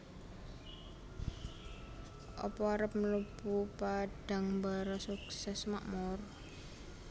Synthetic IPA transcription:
ʔɔ̰pɔaɾəp̚məlupupaɖ̥a̤ŋmbaɾɔsuksɛsma̰ʔmɔr

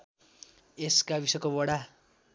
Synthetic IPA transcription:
eskabisʌkobʌɽa

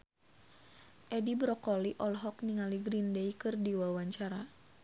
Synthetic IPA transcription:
ʔɛdibɾɔkɔliʔɔlɦɔk̚niŋaliɡɾindɛikɨrdiwawaɲt͡ʃaɾa

